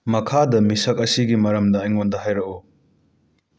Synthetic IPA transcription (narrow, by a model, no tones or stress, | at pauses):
mɐkʰadɐmisɐk̚ɐsiɡimɐɾɐmdɐːjŋondɐɦajɾɐku